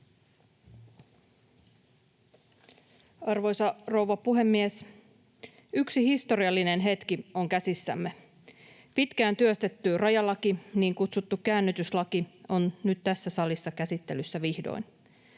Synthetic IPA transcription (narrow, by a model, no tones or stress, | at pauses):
ɑrʋo̞jsɑro̞wʋɑpuɦe̞mːies | yksihist̪o̞ɾiɑlːine̞nɦe̞t̪kio̞ŋkæsisːæ̰mːe̞ | pit̪kæːnt̪yøst̪et̪ːyrɑjɑlɑkiniːŋkut̪sut̪ːukkæːnːyt̪yslɑkio̞nnyt̪t̪æsːæsɑlisːɑkæsit̪ːe̞lysːæʋihdo̰in